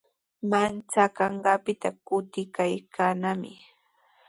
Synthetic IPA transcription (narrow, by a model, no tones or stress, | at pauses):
mant͡sakɑɴɢɑːpɪt̪akʊt̪ɪkajkʰaːnamɪ̰